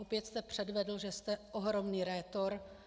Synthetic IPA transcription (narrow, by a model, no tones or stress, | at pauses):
opjɛt̪st̪ɛpr̝̥ɛdvɛdl̩ʒɛst̪ɛoɦɾo̞mniːɾɛːt̪o̞ɾ